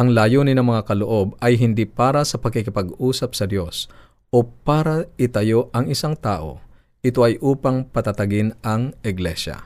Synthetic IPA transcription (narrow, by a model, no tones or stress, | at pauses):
ʔɐŋlaːjonɪnɐŋmɐŋakɐloʔo̞bɐjɦɪnd̪ipaːɾɐsɐpɐɡkɪkɪpɐɡuːsɐp̚sɐd̪jo̞s | ʔo̞paːɾɐɪt̪ɐjo̞ʔɐŋɪsaŋt̪aːʔo̞̰ | ʔɪt̪o̞ʔɐjʔuːpɐŋpɐt̪at̪ɐɡɪnʔɐŋʔɪɡlɛʃa̰